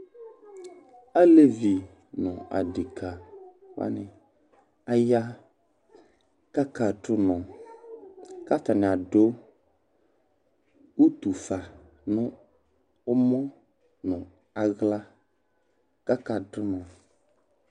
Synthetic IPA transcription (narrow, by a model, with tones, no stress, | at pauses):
a˦le˦vi˨ | nɔ̃˨a̰˨dɪ˨kʰa˨ | wa̰˦nɪ̃˨ | a˦ja˦ | ka˦ka˨ɖʊ˦nɔ̃˨ | ka˦t̪a˨nɪ̃˨a˨ɖo˦ | wu˦t̪u˨fa˨ | nʊ̃˦ | ʊ˦mɔ̃˦ | nʊ̃˨ | a˨ɣla˦ | ka˦ka˨ɖʊ˦nɔ̃˨